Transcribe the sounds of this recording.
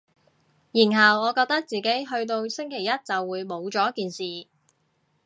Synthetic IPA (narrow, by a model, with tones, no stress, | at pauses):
jiː˨˩nɦɐ˨wɔː˨˧kɔː˧k̚t̪ɐ˥k̚t͡siː˨˩ke˨˥jɦɵ˧ɥt̪̬o˧wsɪ˥ŋkʰe˨˩jɐ˥t̚t͡sɐ˨wːuː˨˧jmo˨˧wt͡ʃɔː˨˦jkːiː˨nsiː˨